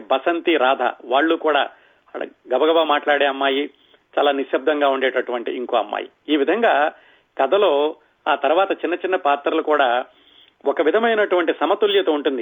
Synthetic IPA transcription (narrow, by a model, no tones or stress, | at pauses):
bɐsɐnt̪iɾaːd̪ʱɐ̰ʋaːɭːukuːɽa̰ː | ɡɐbɐɡɐbamaːʈlaːɽeːɐmːaːji | t͡ʃaːlaːniʃjɐb̚d̪ʱɐŋɡaːuɳɖeːʈɐʈuʋɐɳʈiiŋkoːɐmːa̰ːjḭ | iːʋid̪ʱɐŋɡaː | kɐd̪ʱɐlo̞ː | aːt̪ɐɾuʋaːt̪ɐt͡ʃinːɐt͡ʃinːɐpaːt̪ɾɐlukuːɽaː | ɔkɐʋid̪ʱɐmɐjnɐʈuʋɐɳʈisɐmɐt̪uljɐt̪oːuɳʈund̪i